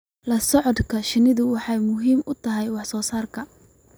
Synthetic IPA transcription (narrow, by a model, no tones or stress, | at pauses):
lɐsɔʕɔd̪kʰɐʃɪnɪðʊwɑħɑjmʊɦiːmʊt̪ʰɐɦɛjwɑħsɔːsaːrkʰɐ